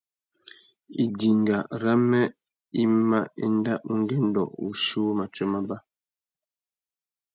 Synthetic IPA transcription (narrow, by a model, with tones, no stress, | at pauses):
i˨di˨ŋɡa˨ɾa˦mɛ˦ | i˦ma˦ḭ˦n˦da˦ʔu˦ŋ˦ɡɛ˦n˦dɔ̰˨ṵ˨ʃu˦ma˨t͡ʃɛ˦ma˦ba˦